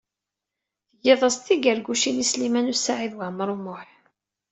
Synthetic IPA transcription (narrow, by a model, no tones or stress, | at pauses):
θəjeðˤəst̪ːiɡəɾɡuʃinislimænusaʕiðwaʕməɾˤumʊħ